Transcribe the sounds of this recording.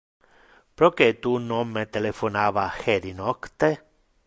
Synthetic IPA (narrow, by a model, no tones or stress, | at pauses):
pɾoket̪unɔmːet̪elefonaːvaxeɾinɔkt̪e